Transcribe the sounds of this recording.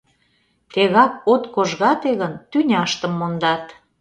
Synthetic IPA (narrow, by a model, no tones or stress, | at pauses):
t̪eɣɑk̚ot̪koʒɣɑt̪eɣənt̪ynʲɑʃt̪əmːond̪ɑt̪